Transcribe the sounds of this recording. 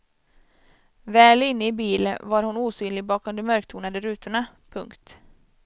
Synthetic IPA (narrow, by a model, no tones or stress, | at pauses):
vɛːlɪnːəɪbiːləvaɾhʊnuːsyːnlɪɡ̚bɑːkɔmd̪ɛmœɾkt̪ʰuːnad̪əɾʉːt̪ʊɳa | pʰɵŋkt̪